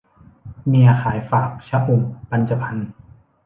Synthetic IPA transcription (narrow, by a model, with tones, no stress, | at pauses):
miː˧xʰaː˨˩˦jfaː˨˩k̚t͡ɕʰa˦ʔu˨˩mpa˧nt͡ɕa˧pʰa˧n